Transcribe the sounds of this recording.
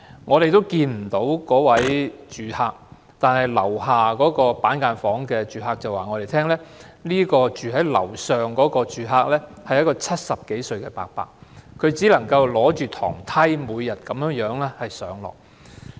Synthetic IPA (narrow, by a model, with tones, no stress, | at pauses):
ŋɔː˨˧ɾe˨jt̪o˥wkiː˧nm̩˨˩t̪o˨˥wkɔː˨˥wɐ˨˥jt͡ʃyː˨˩haː˧k̚ | t̪aː˨nhɐ˨˩jlɐ̰˨˩wɦaː˨kɔː˨˥kɔː˧paː˨˥nkaː˧nfɔː˨˥ŋkɛː˧t͡ʃyː˨ɦaː˧k̚t͡sɐ˨waː˨˩ŋɔ˨˧ɾe˨jt̪ʰɛː˥ŋlɛː˥liː˥kɔː˧t͡ʃyː˨ɦɐ˨˥jlɐ̰˨˩wsœː˨ŋkɔː˨˥kɔː˧t͡ʃyː˨ɦaː˧k̚lɛː˥hɐ˨jɐ˥tkɔː˧t͡sʰɐ˥t̚sɐ˨p̚ke˨˥jsɵ˧ɥkɛː˧pa̰ː˧k̚pa̰ː˧k̚kʰɵ˨˧ɥt͡siː˨˥lɐ˨˩ŋkɐ˧wlɔː˨˥t͡ʃyː˨t̪ʰɔ̰ː˨˩ŋt̪ʰɐ˥jmuː˨˧jːɐ˨t̚kɐ˨˧mjːŋjœː˨˥ŋlɛː˥hɐ˨jsœː˨˥ŋlɔ̰ː˨˩k̚